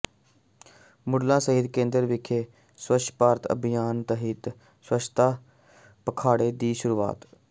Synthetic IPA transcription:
mʊɽlãːsəɦɪt̪kẽːnd̪əɾʋɪkʰeː | swət͡ʃʰpaːɾt̪ə̰bɪjaːnt̪əɦɪt̪ | swət͡ʃʰt̪aː | pəkʰaːɽeːd̪iːʃʊɾuːa̰ːt̪

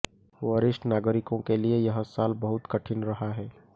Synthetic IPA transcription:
ʋəɾɪʃʈnaːɡəɾɪkõkeliejɐɦsaːlbɐɦʊt̪kɐʈʰɪnɾɐɦaɦɛː

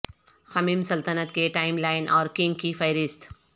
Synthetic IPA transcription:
xɐmiːmsɐlt̪ənət̪̚keʈaːɪmlaːɪnʔɔːɾkɪ̃ŋɡkifɐɪɾɪst̪

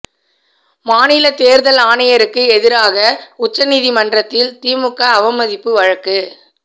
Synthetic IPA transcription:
maːnɪlɐt̪eːɾðɐlaːnɪjɐɾɯkːɯɛðɪɾaːɣɐʊt͡ʃːɐnɪðimɐndrɐt̪ːɪlt̪iːmɯkːɐːʋɐmɐðɪpːɯʋɐɻɐkːɯ

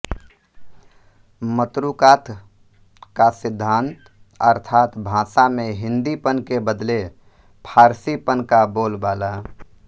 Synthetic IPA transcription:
mət̪ɾuːkaːt̪ | kasɪd̪ʱːãːnt̪ | əɾt̪ʰaːt̪bʱãːsamẽɦɪ̃nd̪ipənkebəd̪le | pʰaːɾsipənkaboːlbaːlaː

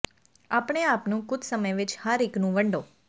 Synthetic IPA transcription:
apəɽ̃eapnũkʊd̪səməjʋɪt͡ʃhaɾiknũʋəɳɖõ

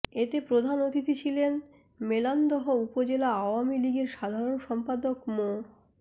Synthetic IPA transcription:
et̪epɾod̪ʱanot̪it̪it͡ɕʰilen | meland̪ɔɦoupod͡ʑelaaoamiliɡeɾʃad̪ʱaɾonʃɔmpad̪okmo

